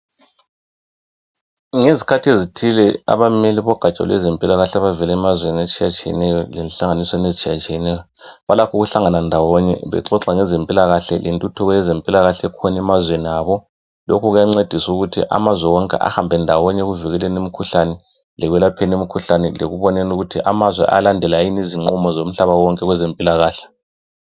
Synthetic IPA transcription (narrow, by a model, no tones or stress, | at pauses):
ŋezikʰatʰiezitʰilɛa̰βameliβɔɡ̥ʱat͡ʃʼa̰lwɛ̰zempʼilaɣaɬɛaβavɛlɛːmazwenat͡ʃʼʰijat͡ʃʼijɛ̰nɛjɔlɛnɬaŋaniswɛnezit͡ʃʼʰijat͡ʃʼijɛnɛjɔ | βalakʰuɣuɬaŋanandʱawɔɲɛ̰βɛ̰ǁɔǁaŋɛzempʼilaɣaɬɛlʔentʼutʰuɣɔjɛzempʼilaɣaɬɛkʰɔnɛmazweniaːβɔ | lokʰuɣujaŋ͡ǀed̥ʱisuɣutʰḭʔa̰mazwɛwɔŋkʼɛ̰ʔa̰hambʱɛndʱawɔɲɛɣuviɣɛlɛnemikʰuɬanɛ | lɛɣwɛlapʰenemikʰuɬanɛlḛɣuβɔnɛnuɣutʰiʔamazwɛ̰ʔa̰landʱɛlajiniziŋ͡ǃumɔzom̩ɬaβawɔŋkʼɛɣwɛzempʼilaɣaːɬɛ̥